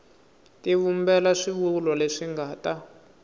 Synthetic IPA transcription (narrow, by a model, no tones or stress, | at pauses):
tiβumbɛlaʂiβulɔleʂiŋɡaːta